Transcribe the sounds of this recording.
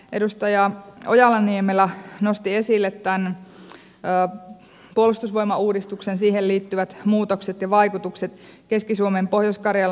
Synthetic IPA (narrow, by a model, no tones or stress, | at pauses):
ʔe̞dust̪ɑjɑo̞̰jɑlːɑniemelæno̞st̪ie̞silːet̪ːæn | puolust̪usʋo̞jmɑuːdist̪uksensiːhelliːt̪ːyʋæt̪muːt̪okse̞t̪jɑʋɑjkut̪ukset̪ | ke̞skisuomempohjoskɑrjɑl